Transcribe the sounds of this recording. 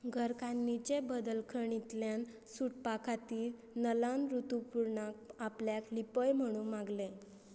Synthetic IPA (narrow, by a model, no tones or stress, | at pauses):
ɡʱəɾkʰanːit͡ɕebəd̪əlkʰəɳ̃it̪ljan | suʈ̚pakʰat̪iː | nəlanɾut̪upuɾɳak̚apljaklipəjm̤əɽ̃ũmaɡle